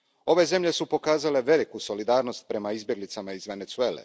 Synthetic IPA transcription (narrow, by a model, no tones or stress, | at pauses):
o̞ʋe̞ze̞mʎe̞supo̞kaːzale̞ʋe̞likuso̞lid̪aːɾno̞st̪̚pɾe̞maizbʲje̞ɡlit̪samaizʋe̞net̪sue̞ːlḛ